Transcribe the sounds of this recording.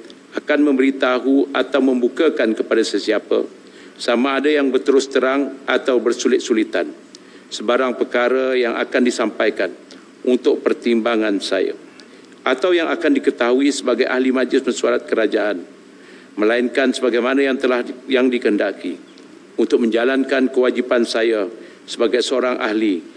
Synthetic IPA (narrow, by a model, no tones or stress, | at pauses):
akanmə̃mbəɾit̪aɦuat̪awmə̃mbukəkankəpadasəsiapə̰ | samaːdajaŋbərt̪əɾʊst̪əɾaŋʔat̪awbərsulɪt̪̚sulit̪an | səbaɾaŋpəkaɾajaŋʔa̰kandisampajkan | unt̪ʊk̚pərt̪imbaŋansa̰ja̰ | ʔat̪awjaŋakandikət̪aɦuisəbaɡajʔa̰hlimad͡ʒlɪsbənsuaɾat̪̚kəɾad͡ʒaʔan | mə̃laɪnkansəbaɡajmanajaŋt̪əlahjaŋdikəndaki | unt̪ʊk̚mə̃ɲd͡ʒalankankəwad͡ʒipansaja | səbaɡajsəoɾaŋʔa̰hli